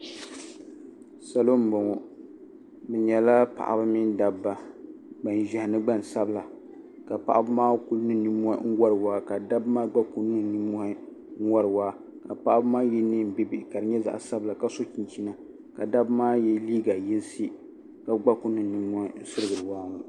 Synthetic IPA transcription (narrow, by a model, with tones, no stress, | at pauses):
sa˨lo˦m̩˨bɔ˨ŋɔ˨ | bɛ˨ɲɛ˨la˦pa̰˨ʔa̰˨bɨ˦mi˦nda˨bːa˦˨ɡ͡ba˨n˨ʒɛ˨hɪ˨nɨ˦ɡ͡ba˦n˨sa˦bla˨ | ka˨pa̰˨ʔa˦bɨ˦maː˦ku˦lnɨ˦ni˦mɔ̰˦ŋ̩˦wa˦ɾɨ˨waː˦ka˨da˦bmaː˦ɡ͡ba˦ku˦nɨ˦˨ni˦mɔ˦hi˦ | ŋ˦wa˦ɾɨ˨waː˦ | ka˨pa˨ʔa˦bɨ˦maː˦jɛ˦ni˦m̩˨bi˦bi˦ʔka˨ɾɨ˨ɲɛ˦za̰˨ʔa̰˨sa˦bɨ˨la˨ka˦so˦t͡ʃi˨nt͡ʃi˦na˨ | ka˨da˦bmaː˦jɛ˦liː˦ɡa˨ji˦n˦si˦ | ka˨ɡ͡ba˦ku˦nɨ˦˨ni˦mɔ˦hi˦n̩˦sɨ˦ɾɨ˨ɡɨ˨ɾɨ˨waː˦la˨